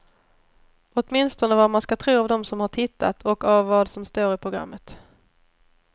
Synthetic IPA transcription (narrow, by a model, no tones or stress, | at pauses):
ɔt̪mɪnst̪ɔnəvaɾmanskat̪ʰɾuːavd̪ɔmsɔmhaʈʰɪt̪ʰːa̰t̪ʰɔkavːɑːd̪sɔmst̪oːɾɪpʰɾʊɡɾa̰mːət̪